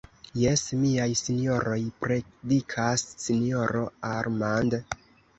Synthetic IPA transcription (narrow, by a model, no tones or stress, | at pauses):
je̞smiajsinjo̞ɾo̞jpɾedikʰasːinio̞ɾo̞aɾmand